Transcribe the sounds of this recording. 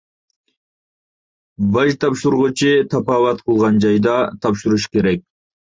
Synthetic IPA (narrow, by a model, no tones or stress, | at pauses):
vɑʒt̪ʰɑpʃuɾʁut͡ʃʰit̪ʰɑpɑvɑt̪̚qʰəlˠʁɑnd͡ʒɑjd̪ɑt̪ʰɑpʃuɾuʃke̞ɾek̚